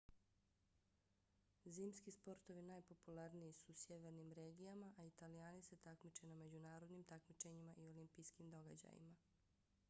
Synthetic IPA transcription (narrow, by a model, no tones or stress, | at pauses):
ziːmskispo̞ɾt̪o̞ʋinaːjpo̞pulaɾnijisusje̞ʋe̞ɾnimɾeːɡijamaʔait̪alijaːnise̞t̪akmit͡ʃename̞d͡ʑunaːɾo̞d̪nimt̪akmit͡ʃe̞ɲimaʔio̞limpijskimd̪o̞ɡad͡ʑa̰jḭma